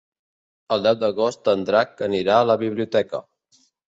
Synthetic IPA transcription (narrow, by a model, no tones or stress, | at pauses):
əlˠd̪ɛwd̪əɣost̪ənd̪ɾakəniɾaələβiβ̞liut̪ɛkə̰